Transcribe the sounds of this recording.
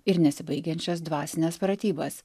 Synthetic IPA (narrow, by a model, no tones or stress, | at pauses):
ɪɾnʲɛsʲɪbɐɪɡʲɛnʲt͡ʃʲɛsd̪ʋɑːsʲɪnʲɛːspɾɐt̪ʲiːbɐs